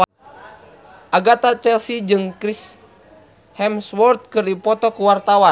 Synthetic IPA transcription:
ʔaɡat̪at͡ʃɛlsid͡ʒɨŋkɾis | hɛmswɔrt̪̚kɨrdipɔt̪ɔkuwart̪awa

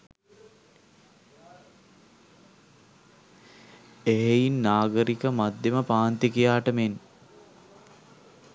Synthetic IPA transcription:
eɦejinːaːɡəɾikəmad̪ːeməpaːnt̪ikijaːʈəmen

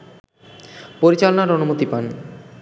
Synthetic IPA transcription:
poɾit͡ɕalonaɾonumot̪ipan

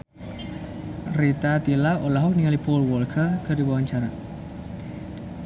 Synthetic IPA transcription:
rit̪at̪ilaʔolaɦɔk̚niŋalipɔlwɔlkʰərkədiwawaɲt͡ʃaɾa

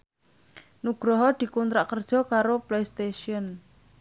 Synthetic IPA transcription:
nuɡ̥ɾɔɦɔd̪̥i̤kunt̪ɾaʔkərd̥ʒ̥ɔ̤kaɾoplejst̪eʃiɔn

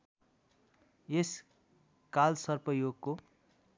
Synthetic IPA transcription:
jes | kalsʌrpʌjoɡko

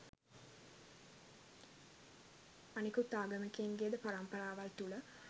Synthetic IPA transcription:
anikut̪aːɡəməkeːŋɡejəd̪əpaɾampɐɾaːʋalt̪ulə

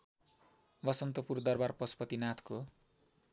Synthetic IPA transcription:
bʌsʌnt̪ʌpurd̪ʌrbarpʌspʌt̪inat̪ʰko

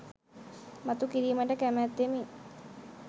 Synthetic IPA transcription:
mat̪ukiɾiːməʈəkæmæt̪ːemi

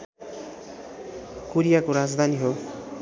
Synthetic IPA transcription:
koɾijakoɾad͡zd̪ʱaniɦo

